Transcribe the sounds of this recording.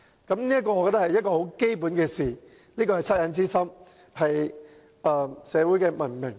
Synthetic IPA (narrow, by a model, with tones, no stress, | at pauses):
kɐ˨˥mniː˥ɐ˥t̚kɔː˧ɔ˨˧kːɔː˧t̪ɐ˥hɐ˨jɐ˥t̚kɔː˧ho˨˥wke˥jp̬uː˨˥nkɛː˧siː˨˩ | niː˥kɔː˧hɐ˨˩jt͡sʰɐ˥t̚jɐ˨˧nt͡siː˥sɐ˥m | hɐ˨j | ɐː˨˧sɛː˨˧wuː˨˥jkɛ˧mɐ˨˩nmɪ˨˩ŋ